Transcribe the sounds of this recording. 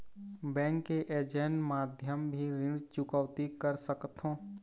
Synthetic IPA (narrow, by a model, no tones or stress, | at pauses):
bɛ̃ːŋkːeʔeːd͡ʒenmaːd̪ʱjəmbʱiɾɪ̃ɖt͡ʃʊkəʋt̪ikəɾsəkt̪ʰɦõː